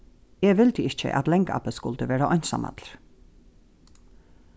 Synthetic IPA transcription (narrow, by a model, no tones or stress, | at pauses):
eːʋɪlt̪əɪc͡çə̰ʔɑ̰t̪lɛŋkɑ̰pəskʊlt̪əʋeːɾəʔœʏnsɑ̰mɑ̰t̪ʰɾ